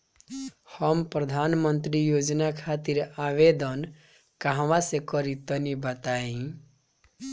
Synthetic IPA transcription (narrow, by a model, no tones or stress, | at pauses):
hʌmpɾəd̪ʱanmənt̪ɾijod͡ʒnakʰat̪iɾaβed̪ʌn | kaɦʋãsekʌɾit̪ʌnibʌt̪aĩ